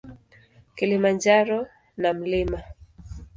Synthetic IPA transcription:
kilimand͡ʒaɾɔ | nam̩lima

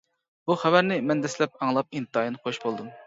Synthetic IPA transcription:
b̥uχævæɾnɪmɛnd̪ɛslɛp̚ɑŋlˠɑp̚int̪ʰɑjnɨqʰoʃbolˠd̪um

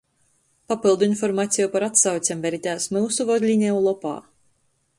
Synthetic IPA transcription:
papilˠd̪uinfɔɾmaːt̪sʲijupaɾat̪sawt̪sʲɛmvɛɾit̪ʲæːsmɨwsuvɔd̪lʲinʲɛulˠɔpa̰ː

